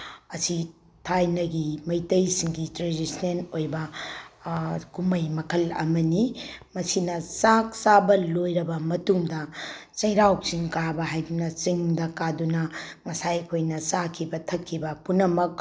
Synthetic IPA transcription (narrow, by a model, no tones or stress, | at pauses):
ɐsi | tʰajnɐɡimɐjtɐjsiŋɡitɾedisnenojbɐ | kumɐjmɐkʰɐlɐ̰mɐnimɐsinɐt͡ʃak̚sabɐlojɾɐbɐmɐtuŋdɐt͡ʃɐjɾawt͡ʃiŋkaɾbɐɦajdunɐt͡ʃiŋdɐkadunɐŋɐsajɐkʰojnɐsakʰibɐtʰɐkʰːibɐpunːɐmɐk̚